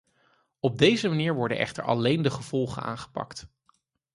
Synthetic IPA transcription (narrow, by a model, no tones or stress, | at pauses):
ɔb̚dejzəmaniːɹʋɔɹdə̰nʔɛ̰χtə̰ɹɑ̰lejndəχəv̥ɔlˠχə̰na̰ːnχə̥pɑ̰kt